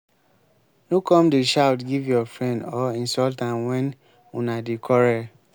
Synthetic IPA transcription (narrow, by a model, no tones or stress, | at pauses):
nukɔ̃mdeʃawtɡivjɔfɹɛ̃ndɔĩnsɔltãnwɛ̃n | unadekʰɔɾɛ